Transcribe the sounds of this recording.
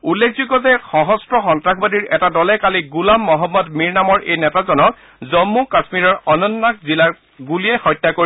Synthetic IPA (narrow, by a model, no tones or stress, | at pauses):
ulːekʰzuɡɔtɛxɔɦɔstɹɔxɔntɹakʰbadiɹɛtadɔlɛkaliɡulamːɔɦɔmːɔdmiɹnamɔɹʔejnɛtazɔnɔk | zɔmːukasmiɹɔɹɔnɔnːak̚zilaɹ | ɡulijɛxɔjtːakoɹi